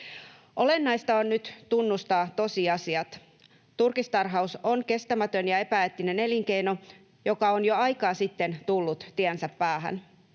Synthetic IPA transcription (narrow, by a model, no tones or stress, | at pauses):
ʔo̞le̞nːɑjst̪ɑonːnyt̪t̪unːust̪ɑːt̪o̞siɑsiɑt̪ | t̪urkist̪ɑrɦɑusonke̞st̪æmæt̪ønjɑe̞pæet̪ːine̞ne̞liŋk̟e̞jno̞ | jo̞kɑonjoɑjkɑːsit̪ːe̞nt̪ulːut̪t̪iænsæpːæːɦæ̰n